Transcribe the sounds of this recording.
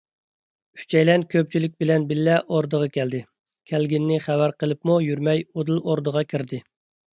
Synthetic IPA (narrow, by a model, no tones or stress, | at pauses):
y̥t͡ʃʰɛjlɛnkʲʰøp̚t͡ʃʰilɪkʲbɪlɛnbɪlːɛʔoɾd̪əʁɑkʲɛld̪ɪ | kʲʰælɡʲinːɪχæwæɾqəlˠɨpmujyɾmɛjod̪ɨlˠoɾd̪əʁɑkʲʰiɾd̪ɪ